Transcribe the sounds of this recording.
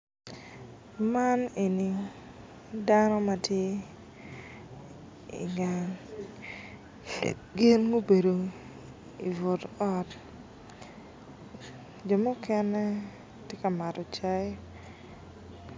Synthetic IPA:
ma˦ne˨ni˨ | danɔ˦ma˨tje˦ | ḭ˨ɡa˨n | ɡɪ˦nɡo˦be˨do˨ | i˨vo˨tɔ˦t | d͡ʒo˨mʊ˦kɛ˦nɛ˦ | tje˦ka˨ma˨tɔ˨t͡ʃa˦j

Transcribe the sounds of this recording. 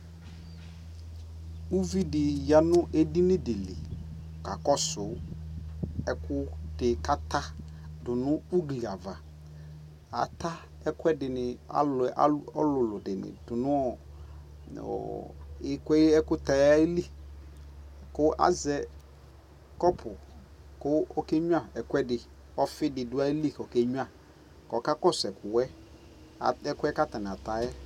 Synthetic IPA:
u˦vi˦dɪ˨ja˨nʊ̃˦ʔe˦di˦nɪ̃˦dɪ˨lɪ̰˨ | ka˨kɔ˦sʊ˨ | ɛ˦kʊ˦d̥ɪ˨ka˦ta˦dʊ˨nʊ̃˦u˦ɡli˨a˨va˨ | a̰˨˦ta˦ | ɛ˦kɛ˦dɪ˨nɪ˨a̰˨la̰˦ɔ˦lʊ˨lʊ˨dɪ˨nɪ̰̃˨dʊ˨nʊ̃˦ɔ˨ | ɔ̰˨ɪ˦kʷɛ˦ɛ˦kʊ˦ta˨ja˦i˦li˦ | kʊ˦a̰˦zɛ˨ | kɔ˦pʰʊ˨ | kʊ˦ɔ˦ke˦ɲu˦a˨ɛ˨kʷɛ˦dɪ˨ | ɔ˦fɪ˦dɪ˨dʊ˦a˦i˦li˦kɔ˨ke˦ɲu˦a˦˨ | kɔ˨ka˦kɔ˦sɛ˨kʊ˨wɛ˦ | a˨ɛ˦kʷɛ˦ka˦ta˨n˨a˨ta˨jɛ˦

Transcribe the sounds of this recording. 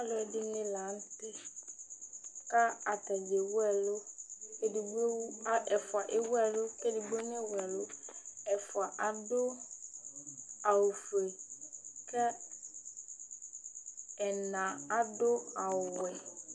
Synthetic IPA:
a˦lʊ˦ɛ˨dɪ˦nɪ̃˦lã˨˦n̩˦tɪ˦ | ka˦a˨ta˨d͡ʒɛ˨wʊ˦ɛ˦lʊ˦ɛ˨di˨bo˦ʔɛ˨fʊ˨a˨ʔɪ˦wɛ˦lʊ˦kɛ˦di˨bo˦nɪ̃˦˨wɛ˨lʊ˦ɛ˨fʊ˨a˨ʔa˨dʊ˦ | a˨wʊ˨fe˨ | kʰɛ˦ | ɛ˨nã˨a˦dʊ˦a˨wwɛ˨

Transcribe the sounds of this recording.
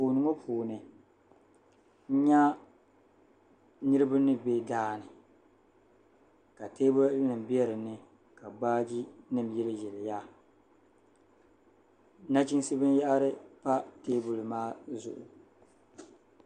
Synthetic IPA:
poː˨nɨ˨ŋo˦pʰuː˨nɨ˨ | n̩˦ɲa˦ | nɨ˦ɾɨ˦ba˦nɨ˦be˦daː˦nɨ˨ | ka˨teː˦bʊ˦nɨ˨m˨bi˦ɛ˦ɾɨ˨nɨ˦ | ka˨baː˦d͡ʒi˦nɨ˦m˨jɛ˦lɨ˦jɛ˨lja˦ | na˦t͡ʃi˦n˦sɨ˦bɨ˦n˦ja˦ʔɾɨ˦pa˦teː˦bʊ˨lɨ˨maː˦zʊ̰˨ʔʊ̰˨

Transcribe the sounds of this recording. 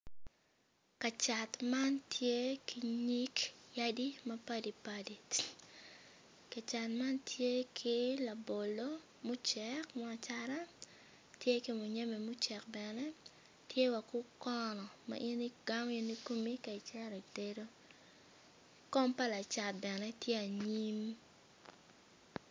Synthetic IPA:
ka˨t͡ʃa˨tma˦ntʰje˦ki˨ɲi˦kja˦di˦mɐpa˦di˨padi˨ | ka˨t͡ʃa˨tma˦ntʰje˦kʰi˦la˨bo˨lo˦ | mʊ˦t͡ʃɛ˦kmɔ˦a˨t͡ʃaɾa˦ | tje˦ki˦mʊ˨ɲe˦mɛ˨mʊ˦t͡ʃɛ˨k̚bɛnɛ˦ | tje˦wa˨kʊ˦kɔ˦nɔ˨ma̰˦ʔi˦ni˦ɡ̥a˦mi˦ni˦ko˦mi˦ka˨i˨t͡ʃɛ˦ɾɔ˨ite˦ɾo˦ | kɔ˦mpa˦la˨t͡ʃa˨t̚bɛ˨nɛ˦tje˦a˨ɲi˦m

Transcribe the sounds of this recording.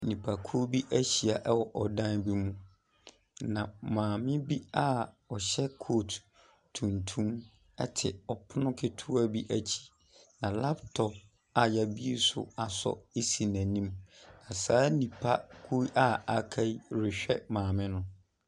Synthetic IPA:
nĩ˨pʰa˨kʰu˦bi˦ʔæ˦ɕi˨a˨ʔɛ˦wɔ˨ʔɔ˨dã˦nbi˦mũ˦ | nã˨mãː˨mɪ̃˦bi˦a˦ | ɔ˨ɕɛ˦kʰo˦˨t | tʰũ˨ntʰũ˦m | ɛ̰˦tʰɪ̰˨ɔ˨pʰʊ˦nʊ̃˦kʰɪ˦tʰu˦a˨bi˦ʔæ˦t͡ɕʰi̥˨ | nã˨la˦ptʰɔ˨p̚ | a˨jɛ˨bi˦e˦sʊ̰˦˨a˨sɔ̰˦e˦si˨næ̃˨nĩ˦mnã˨saː˨˦nĩ˨pʰa˦kʰu˦ʔa˦a˨kʰa˦i˦ɾɪ˨ɕᶣɛ˦mãː˨mɪ̃˦nʊ̃˦

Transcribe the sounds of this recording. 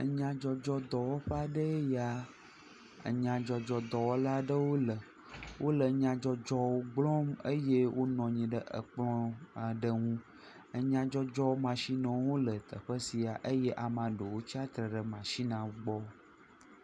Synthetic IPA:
ə˨ɲã˨d͡ʒɔ˨d͡ʒɔ˦d̪ɔ˨wɔ˦ɸa˦˨ɖə˦ja˨ | ə̰˨ɲã˨d͡ʒɔ˨d͡ʒɔ˨d̪ɔ˨wɔ˦la˦ɖə˦wo˦lə˨ | wʔo˦lə˨ɲã˨d͡ʒɔ˨d͡ʒɔ˦wo˦ɡ͡blɔ̃˦mə˦je˦wʔo˦nɔ̃˨ɲĩ˨ɖə˦ʔə̰˨k͡plɔ̃˦a˨ɖə˦ŋũ˦ | ə˨ɲã˨d͡ʒɔ˦d͡ʒɔ˦wo˦mã˨ʃi˦nɛ̃˨wo˦lə˨t̪ə̰˨ɸə˦si˨a˨ʔə˦je˦ʔa˨mã˨ɖo˨wo˦t͡ɕi˦a˦t̪ɾə˨ɖə˨mã˨ʃi˦nã˨˦ɡ͡bɔ˦

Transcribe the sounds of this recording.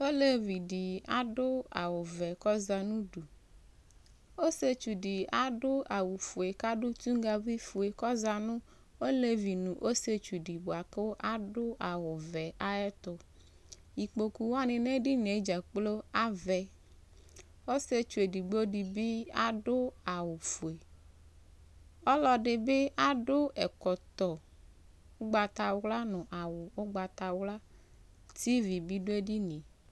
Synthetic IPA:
o˦le˦vi˨di˨a˦ɖʊ˦a̰˨wɔ˨vɛ˨kɔ˦za˨nũ˦ɖu˨ | o˦se˦t͡ʃu˨ɖi˨a˨ɖʊ˦ʔa˨wu˨fu˨e˨ka˦ɖʊ˦t̪u˦ŋ˦ɡa˦vi˦fu˨e˨kɔ˦za˨nʊ̃˦ | o˦le˦vi˨nũ˨ʔo˦se˦t͡ʃu˨ɖi˨bo˨a˨ke˦ʔa˦ɖʊ˦ʔa˨wo˨vɛ˨ʔa˦ɛ˦t̪ʊ˨ | ji˨k͡po˨ku˨wa˦nẽ˨nẽ˦ɖi˦ɲe˨˦d͡ʒa˨k͡plo˦a˦vɛ˨ | o˦se˦t͡ʃu˨e˨di˨ɡ͡bo˦ɖi˨bi˦a˦ɖʊ˦a˨wʊ˨fu˨e˨ | ɔ˦lɔ˨ɖɪ˨be˦ʔa˦ɖʊ˦ɛ˨kɔ˨t̪ɔ˨ | o˦ɡ͡ba˨t̪a˨wla˦nʊ̃˨ʔa˨wʊ˨wo˦ɡ͡ba˨t̪a˨wla˦ | t̪i˦vi˨bi˦ɖo˦e˦ɖi˦nĩ˨

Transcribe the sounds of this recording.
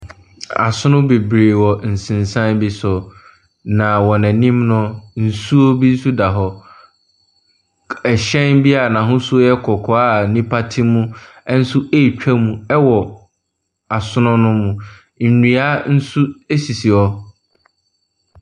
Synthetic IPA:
a̰˨sʊ̃˦nʊ̃˦be˨bɾe˨wɔ˨n̩˨sɪ̃˨n˨sã˦nbi˦sʊ˨ | nã˨wɔ˨næ̃˨nĩ˦mnʊ̃˦n̩˨su˦o˦bi˦n̩˦su˦da˨ɦɔ˦ | ɛ˨ɕɛ̃˦nbi˦a˨nã˨ɦʊ̃˦su˦o˦jɛ˦kʰɔ˨kʰɔ˨a˦nĩ˦pʰa˦tʰɪ˦mũ˦ | ɛ˦n̩˦sʊ˦ʔe˦˨t͡ɕᶣa˦mũ˨ɛ˦wɔ˨ | a˨sʊ˦nʊ̃˦nʊ̃˦mũ˨ | n̩˨nĩ˨a˦n̩˦su˦e˦si˨si˨ɔ˦

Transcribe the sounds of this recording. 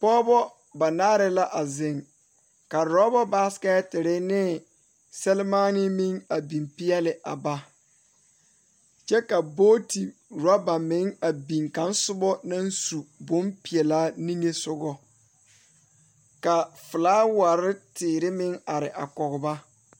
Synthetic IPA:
pɔː˦bɔ˦ | ba˨naː˦ɾɪ˦la˦ʔa˨zɪ˨ŋ | ka˨ɾɔ˦bɔ˦ba˦ska˦tɪ˨ɾɪ˦nɪ˦ | sɛ˦lmaː˦nɪ˦mɪ˦ŋa˨bi˨mpɪ˦jɛ˦lɪ˨ʔa̰˨ba˦ | t͡ʃɛ˦ka˨boː˦ti˨ɾɔ˦ba˨mɪ˨˦ŋa˨bi˨ŋka˨˦n˦sʊ˦bɔ˦na˦nsu˨bʊ˦mpɪ˨ɛ˨laː˦ni˦ŋe˦sʊ˦ɡɔ˨ | ka˨fɪ˨laː˦wa˨ɾɪ˦tɪː˨ɾɪ˦mɪ˦ŋa˨ɾɪ˨ʔa˨kɔ˨ɣʊ˨ba˦

